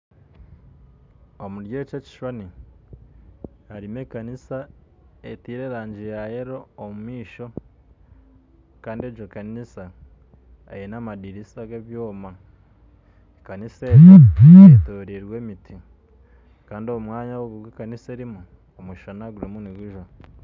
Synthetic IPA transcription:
omuɾjeːceci̥ʃwani | aɾimekanisa | etiːɾe̞ɾaːɲd͡ʒijajeɾo̞ːmumiːʃo̞ | kaːndied͡ʒokanisa | ḛjenamadiɾisaɡeβjoːma | ekaniseβotoɾiɾweːmitʰi | kaːndioumwaːɲawoɡuɾɡekaniseːɾimu | omwiʃanaɡuɾimuniɡuʒwa

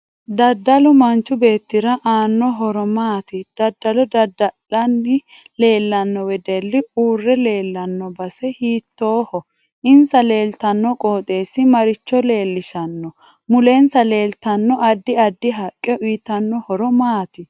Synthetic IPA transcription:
d̪ɐd̪ːɐlʊmɐnt͡ʃːʊbe̞ːt̪ːɪɾɐʔaːnːɔɦɔɾɔmaːt̪ɪd̪̥ɐd̪ːɐlɔd̪ɐd̪ɐlɐnːɪ | le̞ːlːɐnːɔwɛd̪ɛlːɪuːrːɛle̞ːlːɐnːɔbɐsɛhiːt̪ːoːhɔ | ʔɪnsɐle̞ːlt̪ɐnːɔkʼoːt̪ʼe̞ːsːɪmɐɾɪt͡ʃːɔle̞ːlːɪʃɐnːɔ | mʊlensɐle̞ːlt̪ɐnːɔʔɐd̪ːɪɐd̪ːɪɦɐkʼːɛʊjt̪ɐnːɔhɔɾɔmaːt̪ɪ

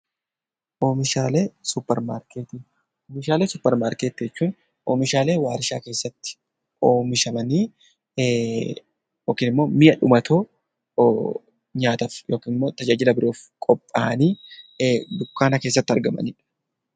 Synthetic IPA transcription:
ʔo̞ːmɪʃaːleːsʊpːɛɾmaːɾkeːt̪iː | oːmɪʃaːleːsʊpːɛɾmaːɾkeːt̪ːd͡ʒɛt͡ʃːuːn | ʔo̞̰ːmɪʃaːle̞ːwaːɾɪʃa̰ːke̞ːsːɐt̪ːɪ̥ | oːmɪʃɐmɐniː | joːkiːnɪmːo̞ːmɪjɐᶑʊmɐt̪ʰoː | ɲaːt̪ɐfjo̞ːkiːnɪmːo̞ːt̪ɐd͡ʒaːd͡ʒɪlɐbɪɾʔoːfkʼɔpʼːaːʔɐniː | d̪ʊkːaːnɐke̞ːsːɐt̪ːɐɾɡɐmɐ̰niːᶑɐ̥

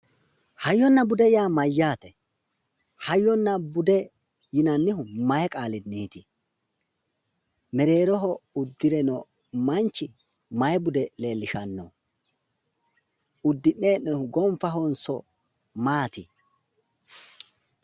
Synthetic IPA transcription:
hɐjːɔnːɐbʊd̪ɛjaːmɐjːaːt̪ɛ | hɐjːɔnːɐbʊd̪ɛ | jɪnɐnːɪhʊmɐjɛkʼaːlɪd̪niːt̪ɪ | mɛɾe̞ːɾɔɦɔʊd̪ːɪɾɛnɔ | mɐnt͡ʃːɪ | mɐjɛbʊd̪ɛle̞ːlːɪʃɐnːɔ | ʊd̪ːɪne̞ːnɛʊɡɔmfɐɦɔnsɔ̰ | maːt̪ɪ

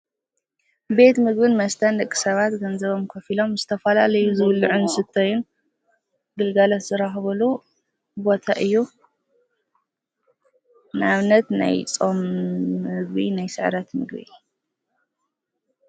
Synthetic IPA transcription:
be̞t̪mɨɡbɨnmɐst̪ʰɐnd̪ɐkʼːi̥sɐβat̪ɡɐnzɐβo̞mkʰɐfilo̞mzɨt̪ʰɐfɐla̰lɐjuzɨwlːɨʕunsɨt̪ʰːɐjun | ɡɨlɡalɐt̪zɨɾaxβɐlu | bo̞t̪ʰaʔɨjːu | nɨaβnɐt̪na̰jt͡sʼom | ɨɡbḭnajsɨʕɾɐt̪mɨ̰ɡbḭ

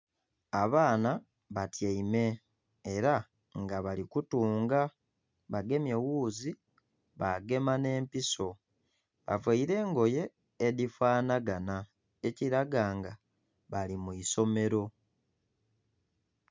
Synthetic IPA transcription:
aβaːna | βatjaime̞ː | ɾa | ŋɡaβalikutuːŋɡa | βaɡe̞mje̞wuːzi | βaɡe̞mane̞ːmpiso̞ | βa̰vwaiɾe̞ːŋɡo̞je̞ː | difwaːnaɡana | eciɾaɡaːŋɡa | βalimuiso̞me̞ɾo̞

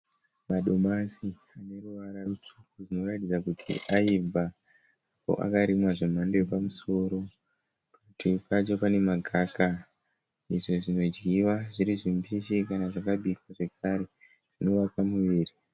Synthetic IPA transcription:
maɗomasi | ane̞ruʋaɾarut͡ʂu̥kuʐino̞ɾatid͡zakutʰḭʔajivʱaː | po̞̰ʔa̰kaɾimwaʐomandejepamuso̞ːɾo̞ | pakutipat͡ʃopane̞maɡʱaka | iʐoʐino̞d͡ʒɡiwaʐiɾiʐimbiʃikanaʐakaɓʱikwaʐe̞kʰaɾe̞ | ʐ̥ino̞ʋakamuʋiːri

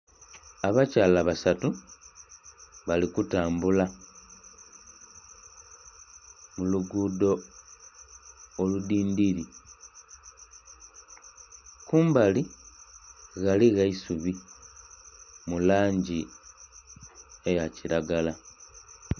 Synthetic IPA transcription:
aβacaːlaβasatu | βalikutaːmbula | muluɡudo̞ | ludiːndiɾi | kuːmbali | ɣaliɣaisuβi | mulaːɲɟi | ejaciɾaɡala

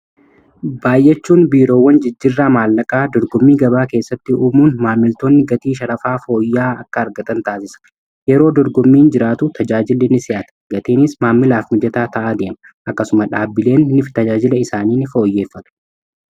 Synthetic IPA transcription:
baːjːɛt͡ʃːuːnbiːɾo̞ːwːɐnd͡ʒɪd͡ʒːɪrːaːmaːlːɐkʼaːd̪ɔɾɡɔmːiːɡɐbaːke̞ːsːɐt̪ːɪuːmuːnmaːmːɪlt̪oːnːɪɡɐt̪iːʃɐlɐfaːfo̞ːjːaːɐkːɐːɾɡɐt̪ʼɐnt̪aːsɪsɐ̥ | jɛɾo̞ːd̪ɔɾɡɔmːiːnd͡ʒɪɾaːt̪ʊt̪ʰɐd͡ʒaːd͡ʒɪlːɪnɪsɪʔɐt̪ɐ̥ɡɐt̪iːnɪsmaːmːɪlaːfmʊd͡ʒɛt̪aːt̪ɐʔaːd̪e̞ːmɐ | ʔɐkːɐsʊmɐᶑaːbːɪle̞ːnːɪft̪ɐd͡ʒaːd͡ʒɪlɐɪsaːniːnɪfo̞ːjːe̞ːfːɐt̪ʊ̥

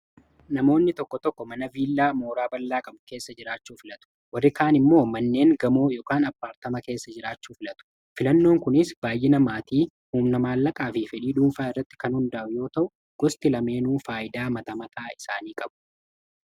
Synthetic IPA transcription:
nɐmo̞ːnːɪt̪ɔkːɔt̪ɔkːɔmɐnɐviːlːaːmo̞ːɾaːbɐlːaːkʼɐmʊke̞ːsːɐd͡ʒɪɾaːt͡ʃːuːfɪlɐt̪ʊ̥ | wɐrːɪkaːnɪmːo̞ːmɐnːe̞ːŋɡɐmoːjoːkaːnɐpːaːɾt̪ɐmɐke̞ːsːɐd͡ʒɪɾaːt͡ʃːuːfɪlɐt̪ʊ̥ | fɪlɐnːo̞ːŋkʊnɪsb̥aːjːɪnɐmaːt̪iː | huːmnɐmaːlːɐkʼaːfifɛᶑiːd̪uːnfaːɪrːɐt̪ːɪ̥kɐnhʊnd̪ɐʔʊjo̞ːt̪ɐʔʊ | ɡ̥ɔst̪ɪlɐme̞ːnuːfaːʔɪd̪aːmɐt̪ɐmɐt̪ʰaːɪsaːniːkʼɐb̥ʊ̥

